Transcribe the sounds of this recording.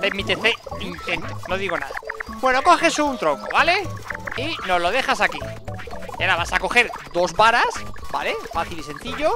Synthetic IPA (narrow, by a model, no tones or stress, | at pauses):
temit̪eθeint̪ent̪ono̞ðiɣ̞o̞na̰ðabwe̞no̞ko̞χe̞sunt̪ɾoŋkoβale̞ino̞zlo̞ð̞e̞xasaki | aɾaβasako̞xe̞ɾd̪o̞zβaɾasba̰le̞faθilise̞nθiʝo̞